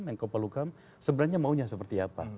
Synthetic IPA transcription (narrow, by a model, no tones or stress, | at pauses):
mjaŋkauparlukam | səbənarɲamauɲasəpərt̪iapa̰